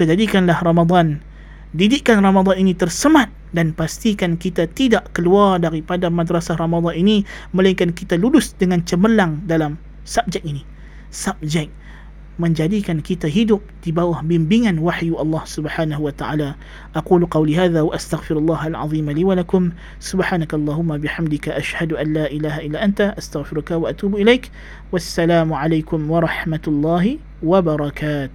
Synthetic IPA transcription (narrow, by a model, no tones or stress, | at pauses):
kəd͡ʒadikanlahrɑmad̪ˤɑn | didiʔkanrɑmad̪ˤɑninit̪ərsəmãt̪̚ | danpast̪ikankit̪at̪idaʔkəluardaɾipadamadɾasahrɑmad̪ˤɑniniməlaiŋkankit̪alulʊsdəŋant͡ʃəməlaŋdalam | sap̚d͡ʒɛk̚ini | sap̚d͡ʒɛk̚ | mə̃ɲd͡ʒadikankit̪aɦidʊp̚dibawahbɪmbiŋanwaħjuʔɑlˤːɑhsʊbħaːnaɦuwat̪aʕaːla | ʔaquːlqɑwliɦaːðawaʔast̪aɣfɪɾalˤːɑːɦalʕɑ̰ðˤiːmaliwalakʊm | sʊbħaːnakaʔɑlˤːɑːɦʊmːawabɪħamd̪ɪkaʔaʃhad̪uʔanlaːʔilaːɦaʔilːaːʔant̪aʔast̪aɣfɪɾʊkawaʔat̪uːbʔilejk | wasːalaːmʕalajkʊmwɑɾˤɑħmat̪lˤːɑːɦi | wabɑɾˤɑkaːt̪ʊh